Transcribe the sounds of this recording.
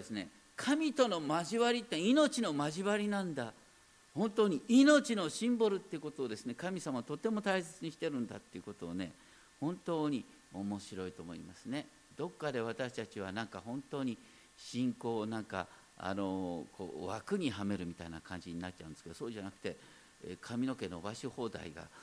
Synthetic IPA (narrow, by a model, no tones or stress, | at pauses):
d̪esɨne̞ | kʰamʲit̪o̞no̞maʑiβaɾʲit̪ːeino̞t͡ɕino̞maʑiβaɾʲinãnd̪a | hõ̞nt̪oːɲ̟iino̞t͡ɕino̞ɕĩmboɾɯ̟t̪ːeiɯ̟kot̪o̞ːd̪e̞sɨne̞kamʲisamaβt̪o̞t̪ːe̞mot̪aise̞t͡sɨɲ̟iɕt̪e̞ɾɯ̟̃nd̪a̰t̪ːe̞iɯ̟ko̞t̪o̞ːne̞̰ | hõ̞nt̪o̞ːɲ̟i | o̞mo̞ɕiɾo̞it̪o̞ːmoimasɨne̞ | d̪̥o̞kːad̪e̞β̞at̪aɕi̥t̪at͡ɕiβ̞anãŋkahõ̞nt̪o̞ːɲ̟i | ɕĩŋko̞ːnãŋka̰ | a̰no̞kʰo̰ːβa̰kɯ̟ɲ̟iɦame̞ɾɯ̟mʲit̪a̰ina̰kʰãɲ̟d͡ʑiɲ̟inat̪̚ːt͡ɕa̰ɯ̃nskeosoːʑanakɯ̟̥t̪e̞ | kʰamʲino̞ke̞nobaɕoho̞ːd̪a̰iɡa̰